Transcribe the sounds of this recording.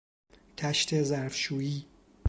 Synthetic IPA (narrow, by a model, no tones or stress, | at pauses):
t̪ʰæʃt̪ʰezæɾfʃuːiː